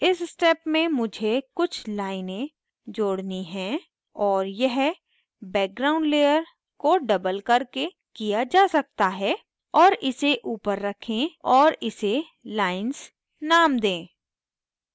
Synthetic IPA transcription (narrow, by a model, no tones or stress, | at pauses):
ɪssʈɛːpmẽmʊd͡ʒʱekʊt͡ʃʰlaːɪnẽ | d͡ʒoːɽniɦɛ̃ | ɔːɾjɐɦ | bɛːk̚ɡɾãːʊ̃ɳɖleːjəɾ | koɖɐbəlkɐɾke | kijad͡ʒaːsɐk̚t̪aɦɛː | ɔːɾɪseʔuːpəɾːɐkʰẽɔːɾɪse | laːɪnz | naːmd̪ẽː